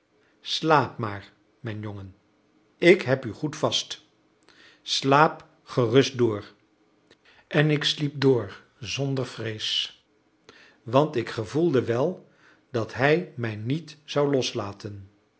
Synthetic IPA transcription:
slaːpmaːɹ | mɛjnjoŋən | ɪkɦɛpyχutfɑst | slaːp | χərɵstdʊːr | ɛnɪkslip̚doːɹ | zɔndəɹvrejs | ʋɑntɪkχəvulˠdəʋɛlˠ | d̥ɑtɦɛjmɛjnitz̥ɑwlɔslaːtən

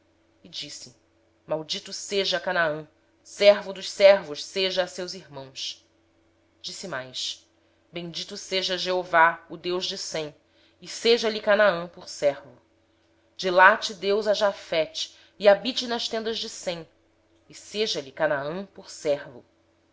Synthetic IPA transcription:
ɪd͡ʒisɪ | mawd͡ʒit̪ʊseʒɐkanaɐ̃ | sɛɾvʊd̪ʊʃsɛɾvʊʃseʒɐːsewziɾmɐ̃w̃s | d͡ʒisimajʃ | bẽj̃d͡ʒit̪useʒɐʒeovaʊd̪ewʒd͡ʒɪsẽ | ɪseʒɐlikanaɐ̃pʊɾsɛɾvʊ | d͡ʒilat͡ʃid̪ewzaʒafɛt͡ʃi̥ | iabit͡ʃɪnɐʃt̪ẽnd̪ɐʒd͡ʒɪsẽ | ɪseʒɐlikanaɐ̃pʊɾsɛɾvʊ

